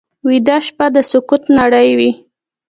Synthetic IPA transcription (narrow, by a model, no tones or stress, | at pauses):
wid̪ɑʃpad̪əsʊkut̪naɽəjwi